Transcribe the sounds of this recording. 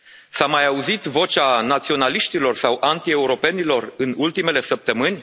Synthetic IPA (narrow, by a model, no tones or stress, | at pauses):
samajauzit̪vo̞t͡ʃanat̪sio̞naliʃt̪ilo̞rsawʔant̪ie̞uɾo̞pe̞nilo̞rɨnult̪ime̞le̞səp̚t̪əmɨnʲ